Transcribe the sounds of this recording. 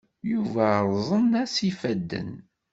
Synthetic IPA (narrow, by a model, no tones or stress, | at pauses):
juvæɾˤzˤənæsifæd̪ːə̰n